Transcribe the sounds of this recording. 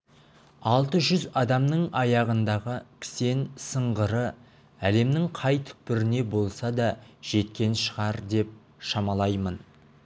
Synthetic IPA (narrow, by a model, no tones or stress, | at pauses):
ɑlˠt̪əʒʏzɑd̪ɑmnəɴɑjɑʁənd̪ɑʁəkʲʰɪ̥se̞nsəɴʁəɾə | æle̞mnɪŋqʰɑjt̪ʰʏ̥k̚pɪɾɪne̞bo̞lˠsɑd̪ɑʒ̥e̞t̪kʲe̞nʃəʁɑɾd̪e̞p̚ | ʃɑmɑlˠɑjmən